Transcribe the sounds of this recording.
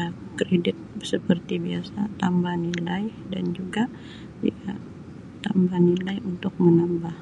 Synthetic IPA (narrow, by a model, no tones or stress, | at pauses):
kɾedɪt̪̚səpərt̪ibiasat̪ambahnilaj | dand͡ʒuɡa | iɡa | t̪ambahnilajunt̪ʊk̚mənambah